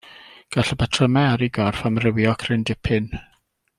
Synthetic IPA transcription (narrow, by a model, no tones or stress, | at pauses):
ɡ̥aɬəbɛtʰrɔmɛaɾiɡɔrfamrɪwjɔkʰrɪndɪpʰɪn